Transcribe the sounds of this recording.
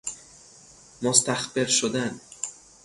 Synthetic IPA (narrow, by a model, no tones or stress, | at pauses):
most̪æxbeɾʃod̪æn